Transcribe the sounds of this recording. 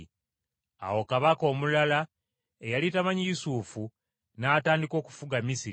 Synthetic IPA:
a̰wo̞kaβako̞ːmulala | ejalitamaɲijusuːfu | naːtaːndiko̞ːku̥fuɡamisiɾ

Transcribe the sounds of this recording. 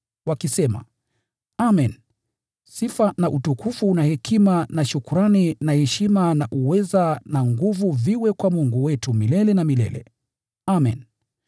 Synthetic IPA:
wakisɛma̰ | amɛn | sifanaʔutukufuːnahɛkʰimanaʃukuɾaninahɛʃimanaʔuwɛzanaŋɡuvuviwɛkwamuŋɡuwɛtumilɛlɛnamilɛ̰lɛ̰ | amɛ̰n

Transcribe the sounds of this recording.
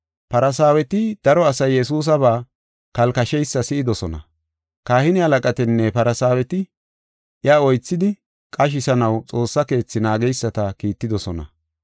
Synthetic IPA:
pɐɾɐsaːwɛt̪ɪd̪̥ɐɾɔɐsɐjːɛsuːs̬ɐβaː | kɐlkɐʃɛjsːɐsɪʔɪd̪ɔsɔnɐ̰ | kaːhɪnɪhɐlɐkʼɐt̪ɪnːɛpɐɾɐsaːwɛt̪ɪ | ʔjaːɔjt͡sːɪd̪ɪ | kʼɐʃ̬ɪsɐnɐwt͡sʼo̞ːsːɐke̞ːt͡sːɪnaːɡɛjsːɐt̪ɐkiːt̪ːɪd̪ɔsɔnɐ̰

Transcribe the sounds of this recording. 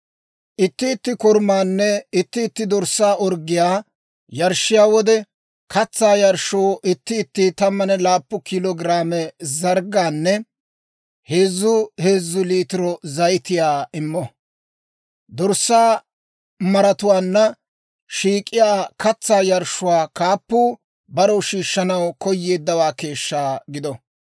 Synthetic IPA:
ʔɪt̪ːɪːt̪ːɪkɔɾmaːnːɛɪt̪ːɪːt̪ːɪd̪ɔɾsːaːʔɔɾɡɪjaː | jɐɾʃːɪjaːwɔd̪ɛ | kʰɐt͡sːaːjɐɾʃoːʔɪt̪ːɪːt̪ːɪt̪ɐmːɐnɛlaːpːɔkɪlɔɡɾaːmɛzɐɾɡaːnːɛ | he̞ːzːʊhe̞ːzːʊliːt̪ɪɾɔzɐjɪt̪ɪjaːɪmːɔ | d̪ɔɾsːaː | mɐɾɐt̪ʊwaːnːɐ | ʃiːkʼːɪjaːkɐt͡sːaːjɐɾʃʊwaːkaːpːuː | bɐɾɔʃiːʃːɐnɐwkɔjːeːd̪ːɐwaːke̞ːʃːaːɡɪd̪ɔ

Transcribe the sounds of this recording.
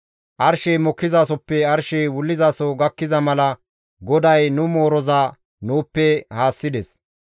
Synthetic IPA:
ʔɐɾʃejmɔkːɪzaːsɔpːɛɐɾʃejwʊlːɪzaːsɔɡɐkːɪzɐmɐlɐ | ɡɔd̪ɐjnʊmoːɾɔzaː | nuːpːɛhaːsːɪd̪ɛs

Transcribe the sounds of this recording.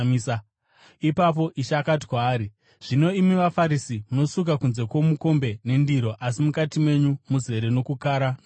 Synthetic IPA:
isa | ipap̬o̞ʔiʃaːkat̬i̥kwaːɾi | ʐ̥ino̞imiʋafaɾisimuno̞suk̬akunze̞kwo̞muko̞mbe̞ne̞ndiɾo̞ʔasimukatimwe̞ɲumuze̞ɾe̞no̞kukaːɾa

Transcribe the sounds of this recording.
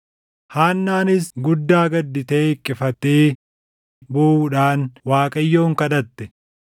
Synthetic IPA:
haːnːaːnɪsɡʊd̪ːaːɡɐd̪ːɪt̪eːkʼːɪfɐt̪ːeː | bɔuːᶑaːnwaːkʼɐjːo̞ːŋkɐᶑ̪ɐt̪ːɛ

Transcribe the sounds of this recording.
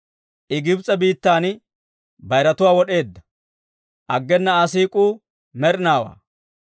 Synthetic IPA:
ʔɪɡɪbt͡sʼːɐbiːt̪ːaːn | bɐjɾɐt̪ʊwaːwɔɗe̞ːd̪ːɐ̥ | ʔɐɡːɛnːɐɐs̬iːkʼuː | mɛɾnaːwa̰ː

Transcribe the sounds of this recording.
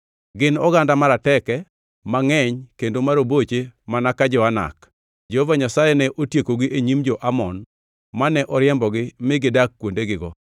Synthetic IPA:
ɡɪnɔɡandamaɾatɛkɛ | maŋɛɲkendomaɾobot͡ʃemanakad͡ʒɔana̰k | d͡ʒɛhɔvaɲasajɛnɛʔotjekoɡɪʔeɲimd͡ʒɔʔamɔn | manɛʔɔɾjɛmbɔɡɪmɪɡɪdakːwondeɡɪɡɔ̰

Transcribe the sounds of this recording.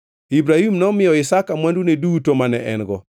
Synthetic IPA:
ibɾahimnɔmɪjɔɪsakamwandunedutomanɛ̰ʔɛ̰nɡɔ

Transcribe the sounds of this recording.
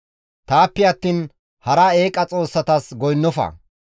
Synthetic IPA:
t̪aːpːɛɐt̪ːiːn | hɐɾɐe̞ːkʼɐt͡sʼo̞ːsːɐt̪ɐsɡɔjnːɔfɐ̰

